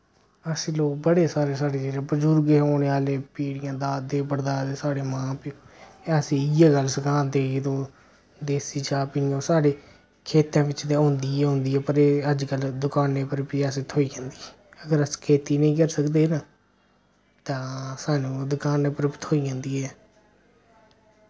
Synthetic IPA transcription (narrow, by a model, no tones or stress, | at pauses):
əsĩːloːk̚bəɽeːsaːɾeːsaːɽeːd͡ʒeːɾeːpəd͡ʒuːɾɡeːoːneːaːleːpiːɽɪjãːd̪aːd̪eːpəɽd̪aːd̪eːsaːɽeːmãːpɪəsĩːɪjaːɡəlsəkaːnt̪eːd̪õː | d̪eːsiːt͡ʃaːpɪnɪjõːsaːɽeː | kʰeːt̪ãːʋɪt͡ʃd̪eɦʊ̃nd̪iːɛːɦʊ̃nd̪iːɛːpəɾeːəd͡ʒkəld̪ʊkaːnːeːpəɾpiːəseːt̪ʰoːiːɡãːnd̪iɛːəɡəɾəskʰeːt̪iːnəĩːkəɾsəkd̪eːnaː | t̪ãːsaːnũːd̪ʊkaːneːpəɾpːt̪ʰoːiːɡãːnd̪iːɛː